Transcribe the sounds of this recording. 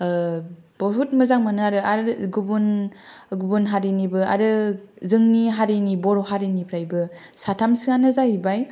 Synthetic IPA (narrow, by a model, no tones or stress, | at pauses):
b̥ɔɦut̚mɯzaŋmanɯaɾɯaɾɡubunɡubunɦaɾinibɯa̰ɾɯ | zɯŋniɦaɾinibɔɾoɦaɾinipʰɾajbɯ | satʰamsɯanɯzahibaj